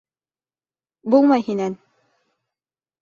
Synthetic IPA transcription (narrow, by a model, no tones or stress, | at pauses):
bulˠmɑjhinæn